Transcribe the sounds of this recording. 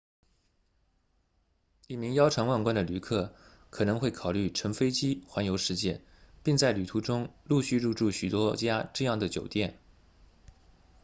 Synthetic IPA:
i˥˩mi˧˥ŋjɑ˥ʊʈ͡ʂʰɑ˧˥ŋwa˥˩nŋkwa˥nd̪ə˨ly˧˥kʰɤ˥˩ | kʰɤ˨˩nɤ˧˥ŋxwe˥˩ɪkʰɑ˨˩ʊly˥˩ʈ͡ʂʰɤ˧˥ŋfe˥ɪt͡ɕi˥xwa˧˥njo˧˥ʊʂɻ̩˧t͡ɕjɛ˥˩n | pi˥˧ŋt͡sa˥˩ɪly˨˩t̪ʰu˧˥ʈ͡ʂʊ˥ŋlu˥˧ɕy˥˧ɻu˥˧ʈ͡ʂu˥˩ɕy˨˩t̪wɔ˥t͡ɕja˥ʈ͡ʂɤ˥˧jɑ˥˩ŋd̪ə˩t͡ɕjo˨˩ʊt̪jɛ˥˩n

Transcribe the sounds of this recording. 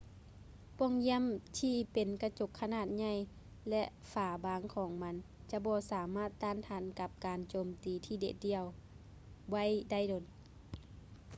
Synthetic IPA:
pu˧˩˨ŋjɛ˧˥˨mt̪ʰiː˧pe˨nka˧t͡ɕo˧˩kʰːa˧naː˧˩t̪̚ɲa˧j | lɛ˧ʔfaː˨˩baː˨˦ŋkʰɔː˨˦ŋma˧˥n | t͡ɕa˧˦bɔː˧˦saː˨˦maː˧˥˨t̪ːaː˧˥˨nt̪ʰaː˧˩nka˧˦p̚kaː˨nt͡ɕoː˨mt̪iː˨t̪ʰiː˧dḛ˧˩k̚di˧əw | wa˧˥˨jda˥˩jdo˨˩n

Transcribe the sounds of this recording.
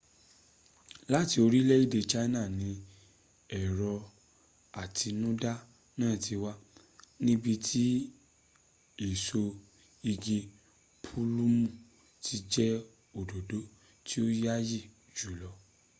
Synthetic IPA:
la˦ti˧o˧ɾi˦lɛ˦i˦˨de˧t͡ʃa˦na˦˨nĩ˨˦ | ɛ˨ɾɔ˧ | a˨tʰi˧nũ˦da˦ | nãː˦˨ti˧wa˦ | nĩ˦bi˧tʰi˦ | i˦˨so˧ | i˧ɡe˧ | pʰu˦lu˦mũ˦˨ | ti˧d͡ʒɛ˦ | o˨do˨do˨˦ | tʰi˦o˦ja˦ji˦˨ | d͡ʒu˨˦˨lɔ˧

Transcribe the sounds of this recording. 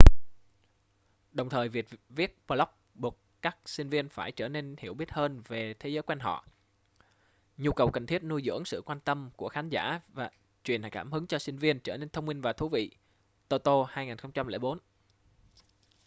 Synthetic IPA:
ɗə˨˩wŋ͡mt̪ʰəː˨˩jvi˨˩ət̚vi˦˥ət̚pəː˧lɔ˦˥k͡p̚ɓu˨˩t̚kaː˦˥k̚sï˧ŋ̟vi˧ənfaː˧˩jt͡ɕəː˧˩ne˧nhi˧˩əwɓi˦˥ət̚həː˧nve˨˩t̪ʰe˨˦zəː˨˦jkwɛ˧nɦɔ̰˧˨ʔ | ɲu˧kə˨˩wkə˨˩nt̪ʰi˦˥t̚nu˧jzɨ̰˧˥əŋsɨ̰˧˨kwaː˧nt̪ə˧mku˧˩əxaː˨˦nza̰ː˧˩vaː˨˩ | t͡ɕwi˨˩na̰˧˩jkaː˧˩mhɨ˨˦ŋt͡ɕɔ˧sï˧ŋ̟vi˧ənt͡ɕəː˧˩ne˧nt̪ʰə˧wŋ͡mmï˧ŋ̟vaː˨˩t̪ʰu˨˦vḭ˧˨ | t̪o˧t̪o˧haː˧jŋaː˨˩nxə˧wŋ͡mt͡ɕa˧mlḛ˧˩ɓo˨˦n

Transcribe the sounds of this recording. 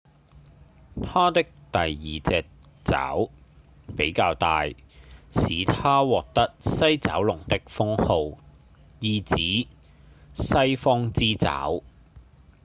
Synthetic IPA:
t̪ʰaː˥t̪ɪ˥k̚t̪ɐ˨jːiː˨t͡sɛː˨˧k̚ | t͡sa̰ː˨˥w | pe˨˥jkaː˧wt̪a̰ː˧j | siː˨˧t̪ʰaː˥wɔː˨k̚t̪ɐ˥k̚sɐ˥jt͡sɐ̰ː˨˥wlʊ˨˩ŋt̪ɪ˥k̚fʊ˥ŋho˧w | jiː˧t͡siː˨˥ | sɐ˥jfɔː˥ŋt͡siː˥t͡sa̰ː˨˥w

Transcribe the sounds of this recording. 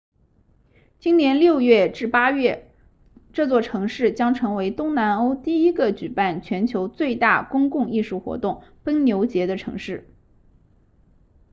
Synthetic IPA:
t͡ɕi˥nnjɛ˧˥nljo˥˧ʊɥɛ˥˩ʈ͡ʂɻ̩˥˩pa˥ɥɛ˥˩ | ʈ͡ʂɤ˥˧t͡swɔ˥˩ʈ͡ʂʰɤ˧˥ŋʂɻ̩˥˩t͡ɕjɑ˥ŋʈ͡ʂʰɤ˧˥ŋwe˧˥ɪt̪ʊ˥ŋna˧˥no˥ʊt̪i˥˩i˥ɡə˨t͡ɕy˨˩pa˥˩nt͡ɕʰɥɛ˧˥nt͡ɕʰjo˧˥ʊt͡swe˥˧ɪt̪a̰˥˩kʊ˥ŋkʊ˥˧ŋi˥˧ʂu˥˩xwɔ̰˧˥t̪ʊ˥˩ŋpə˥nnjo˧˥ʊt͡ɕjɛ˧˥d̪ə˧ʈ͡ʂʰɤ̰˧˥ŋʂɻ̩˥˩

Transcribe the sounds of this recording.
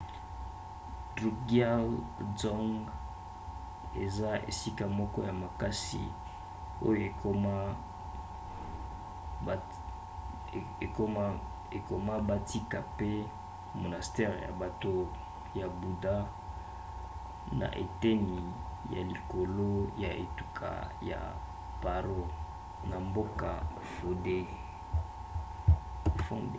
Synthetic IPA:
dʁu˨ɡa˦lzɔ˦ŋɡ | e˨za˦ʔḛ˨si˦ka˨mɔ˦kɔ˦ja˨ma˨ka˦sḭ˨ | o̰˦jo˨e˨˦˨ | e˨ko˨ma˦ba˦ti˦ka˨pe˦ | mo˨na˨stɛ˦ʁja̰˨ba˨to˦ | ja˨bu˨da˦ | na̰˨ʔḛ˨te˦ni˨ja̰˨li˨ko˨lo˦ja̰˨ʔḛ˨tu˦kʰa̰˨ja̰˨ | pa˨ʁo˦ | na˨mbo˦ka˨ | fo˨de˦˨ | fɔ̰̃˦d

